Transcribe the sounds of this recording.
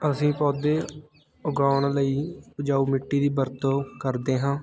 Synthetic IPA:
əsĩːpɔːd̪eː | ʊɡaːɳləiːpʊd͡ʒaːuːmɪʈːiːd̪iːbəɾt̪oːkəɾd̪eːɦãː

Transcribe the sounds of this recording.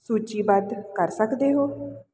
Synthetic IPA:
suːt͡ʃiːbəd̪kəɾsəkd̪eːɦoː

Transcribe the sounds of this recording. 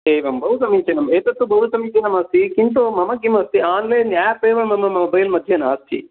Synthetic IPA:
eːʋɐmbɐʋut̪ɐmiːt͡ʃenɐmeːt̪ɐt̪ːubɐʋut̪ɐmiɲt͡ʃeːnɐmɐst̪ʰikint̪oːmɐmɐkːimɐst̪iaːnleːnaːjpeːʋɐmɐmɐmɐubɐjilmɐd̪ʱjɐnaːst̪ʰḭ

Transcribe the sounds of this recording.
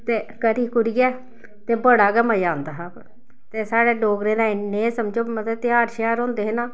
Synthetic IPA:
t̪eːkəɾiːkʊɾɪjɛː | t̪eːbəɽaːɡɛməjaːnd̪aːɦaːb | t̪eːsaːɽeːɖoːɡɾeːnãːɪnẽːsəmd͡ʒoːmət̪ət̪ɪaːɾʃjaːɾõːnd̪eːɦnãː

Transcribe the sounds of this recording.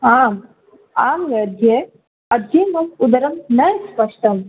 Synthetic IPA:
aːm | aːmɡɐɐd̪ʱje | ɐd̪ʱjemɐmud̪ɐɾɐmnɐjspɐʂʈɐm

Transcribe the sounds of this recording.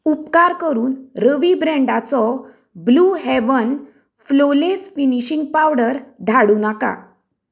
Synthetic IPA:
upkaɾkəɾuːnɾəʋibɾɛ̃ɳɖat͡sɔ | bluːɦeʋən | flolesfiniɕiŋɡ̚pawɽəɾd̪ʱaɽuːnaka̰

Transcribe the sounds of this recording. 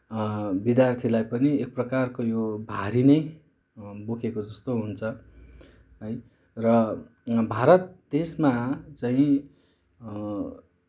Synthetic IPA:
bid̪jart̪ʰilajpʌniek̚prʌkarkojobʱaɾinʌj | bokʰekod͡zʌst̪oɦunt͡sʰʌ | ʌj | rʌ | bʱaɾʌt̪̚d̪esmat͡saĩ

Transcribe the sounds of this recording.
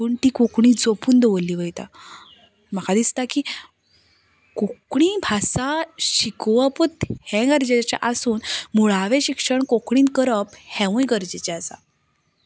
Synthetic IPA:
uɳʈiːkukɳ̃id͡zopuːnd̪eʋoliːʋəjt̪a̰ | məkʰad̪ist̪aki | kukɳibʱasaɕikʋəput̪hɛ̃ɡəɾd͡ʑet͡ɕa̰ʔasuːnmuɭaʋeɕikʂəɳkokɳ̃iːnkəɾəphɛ̃ʋũjɡəɾd͡ʑet͡ɕɛasa̰

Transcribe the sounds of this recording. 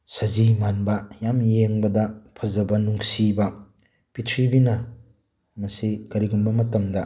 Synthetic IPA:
sɐzimanbɐjamjeŋbɐdɐpʰɐzɐbɐnuŋsibɐ | pitʰɾibinɐ | mɐsikɐɾiɡumbɐmɐtɐmdɐ

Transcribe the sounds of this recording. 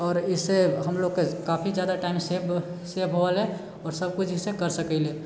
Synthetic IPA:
ɔːɾɪsːeɦəmloɡkekaːpʰid͡ʒjaːd̪aʈaɪmseb | sebɦoəle | ɔːɾsəbkut͡ʃʰisekəɾsəkɛɪle

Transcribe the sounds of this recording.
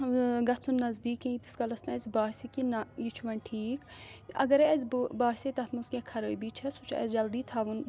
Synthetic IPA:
ɡɐt͡sʰunːɐzd̪iːkẽit̪i̥skɐlɐsnɐɐzʲbaːɦsʲikinɐjit͡ʃʰuʋɐnʲʈʰiːkɐ̰ɡɐɾɛzʲbbaːɦsʲet̪ɐt̪ʰmɐsɡʲɛkʰɐɾəːbiːt͡ʃʰɐsut͡ʃʰɛ̰zd͡ʒɐld̪iːt̪ʰaːʋun

